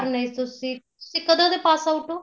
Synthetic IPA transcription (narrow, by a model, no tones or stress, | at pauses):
ɾneit̪ʊsĩːt̪ʊ̥sĩːkəd̪ãd̪epaːsaʊʈoː